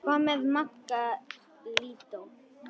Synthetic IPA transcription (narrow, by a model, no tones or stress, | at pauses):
pameðmakːa | lit̪o